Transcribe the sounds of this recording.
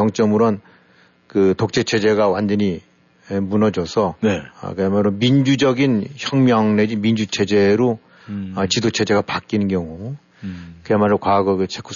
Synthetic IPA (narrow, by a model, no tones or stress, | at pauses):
ʌŋt͡ɕ͈ʌmɯɾʌn | kɯtok̚t͡ɕ͈et͡ɕʰe̞d͡ʑe̞ɡawand͡ʑʌɲi | munʌd͡ʑʌsʰʌnḛkɯemaɾomind͡ʑud͡ʑʌɡinçjʌŋmjʌŋned͡ʑimind͡ʑut͡ɕʰe̞d͡ʑe̞ɾo | ʌt͡ɕidot͡ɕʰe̞d͡ʑe̞ɡapak͈innkjʌŋu | kɯemaɾokwaɡʌɡɯt͡ɕʰekʰu